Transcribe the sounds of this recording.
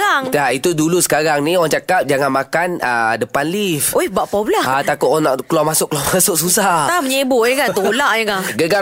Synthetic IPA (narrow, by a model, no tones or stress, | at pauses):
aŋait̪udulusə̥kaɾaŋnioɣaŋt͡ʃakap̚d͡ʒaŋanmakanə̰dəpanlifojhbaʔpablaat̪akʊt̪ʔanaʔkəluamasʊkːəluamasʊk̚susaht̪aməɲebʊʔiŋkant̪uulaʔjakaɡəɡa